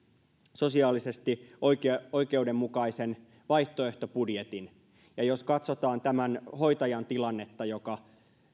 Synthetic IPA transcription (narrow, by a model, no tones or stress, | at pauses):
so̞siɑːlise̞st̪ioko̞ike̞udemːukɑisen | ʋɑiht̪oeht̪o̞pudjet̪in | jɑjoskɑt̪sot̪ɑːnt̪æmænho̞it̪ɑjɑnt̪ilɑnːet̪ːɑjokɑ